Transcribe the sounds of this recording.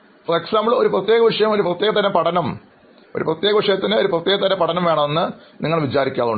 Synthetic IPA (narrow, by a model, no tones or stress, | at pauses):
freksaːmbɐɭo̞ɾuprɐt̪jeːɣɐʋiʂɐjɐmo̞ɾuprɐt̪ːjeːɣɐt̪ːɐnɐpɐʈʰɐnɐm | o̞ɾuprɐt̪jeːɣɐʋiʂɐjɐt̪ːɐnɨo̞ɾuprɐt̪ːjeːɣɐt̪ːɐnɐpɐʈʰɐnɐmʋeːɳɐmenːɨ | niŋːɐɭʋit͡ɕaːɾikʲːaːðuɳɖ